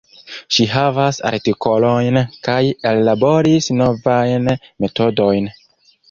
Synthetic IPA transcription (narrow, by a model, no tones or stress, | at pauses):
ʃiɦavasa̰ɾtiko̞lo̞jnkajelːabo̞ɾisno̞vajnme̞to̞do̞jn